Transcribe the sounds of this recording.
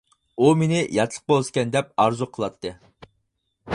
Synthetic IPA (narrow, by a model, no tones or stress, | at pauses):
umenɪjɑt̪lˠə̥q̚bolˠɨskʲɛnd̪ɛp̚ɑɾzuqʰəlˠɑt̪ʰːɨ